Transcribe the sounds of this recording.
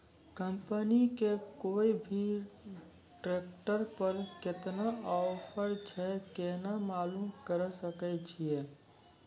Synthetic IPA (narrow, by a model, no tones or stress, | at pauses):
kəmpənikekoːibʱi | ʈɾekʈəɾpəɾkɪt̪naɔpʰəɾt͡ʃʰɛkenamaːlumkəɾsəkɛt͡ʃʰije